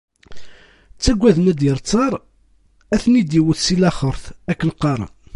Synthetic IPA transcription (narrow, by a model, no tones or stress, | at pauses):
t͡sːæɡʷːæðmæd̪əɾt͡sːɑɾˤ | æθnid̪iwəθsilæχəɾˤθækːənqɑɾˤɑ̰n